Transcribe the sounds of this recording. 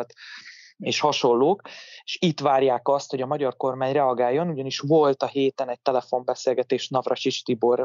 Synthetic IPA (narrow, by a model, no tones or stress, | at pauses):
t̪ | eːʃhɒʃo̞lːoːkeʃit̪ʋaːrjaːkɒst̪ho̞ɟɒmɒɟɒrko̞rmaːɲrɛɒɡaːjːo̞nuɟɒniʃvo̞lt̪ɒɦeːt̪ɛnɛc̚t̪ɛlɛfo̞mbɛseːlɡɛt̪eːʃnɒvrɒʃit͡ʃt̪ibor